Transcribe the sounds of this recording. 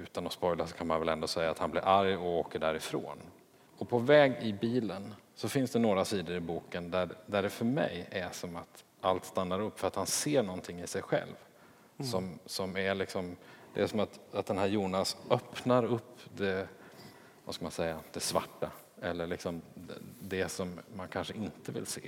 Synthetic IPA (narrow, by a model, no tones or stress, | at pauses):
ʉ̟ːt̪anɔspɔjlasɔ̥kʰanmanvɛlɛnd̪osɛjːat̪hanblɪɾʔaɾjɔoːkəɖæɾɪfɾo̰ːn | ɔpʰɔvɛːɡɪbiːlənsɔfɪnsd̪ɛnoːɾasiːd̪əɾɪbuːkənd̪æd̪æɖɛfœɾmɛ̰jæʂɔmat̪ | ʔalt̪st̪anːaɾɵpːfœɾat̪hanseːɳɔnt̪ʰɪŋːɪsɛjɧɛ̰lv | sɔmsɔmæɭɪksɔmd̪ɛ̰æsɔmat̪at̪̚d̪ɛnɦæːɾjuːnasœpnaɾɵpːd̪ɛ | vaskamansɛjːad̪̥ɛsva̰ʈːa | ɛlːəɭɪksɔmd̪ɛsɔmːankʰanʂəɪnt̪əvɪ̰lsḛː